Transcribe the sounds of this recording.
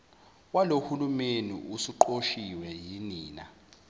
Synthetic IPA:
walohulumenḭusiǃoʃiwɛjiniːna̰

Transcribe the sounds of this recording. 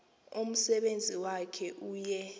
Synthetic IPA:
om̩sɛɓend͡zʱiwakʰɛʔuːjɛ

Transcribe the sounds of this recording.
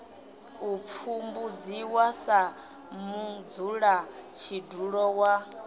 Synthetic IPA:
up̪fʰumbud͡ziwasa | mud͡zuɺat͡ʃʰiduɺɔwa

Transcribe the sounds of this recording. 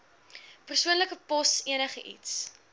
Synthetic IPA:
pərsuənləkəpɔsiənəχəʔḭts

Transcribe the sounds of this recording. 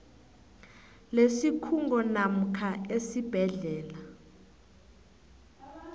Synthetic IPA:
lesikʰuŋɡʱɔnam̩kʰaesib̥ʱɛɮɛːla

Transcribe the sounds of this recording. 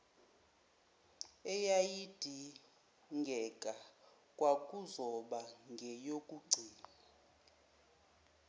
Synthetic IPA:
ɛjajid̥ʱi | ŋɡʱɛkʼa | kʼwakʼuzɔɓaŋɡʱɛjokʼuɡ͡ǀʱiːna

